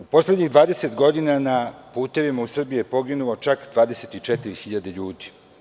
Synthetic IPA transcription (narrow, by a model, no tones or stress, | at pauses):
upo̞sledɲiɣd̪ʋaːd̪e̞set̪ɡo̞d̪inanapuːt̪e̞ʋimausr̩bijujepo̞ɡinulo̞t͡ʃakd̪ʋaːd̪e̞se̞t̪it͡ʃɛt̪iɾixiʎad̪eʎuːd̪i̥